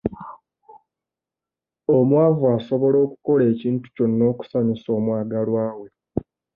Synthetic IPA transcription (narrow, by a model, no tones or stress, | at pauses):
omwaːvuaso̞βo̞lo̞ːku̥ko̞le̞ːciːntu̥co̞nːo̞ːku̥saɲiso̞ːmwaːɡalwaːwe̞